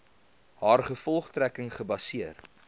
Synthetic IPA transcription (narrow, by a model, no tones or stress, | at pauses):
haːrχəfɔlˠχtrækəŋχəbɐsiər